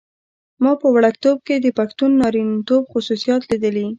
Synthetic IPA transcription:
mɑpəwaɽak̚t̪ob̚ked̪əpaxt̪unːɑɾinit̪obxʊsusijɑt̪lid̪əli

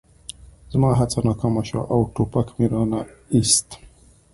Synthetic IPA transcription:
zmaɦat͡sanakamaʃwa̰ʔawʈopakmiɾanaist̪

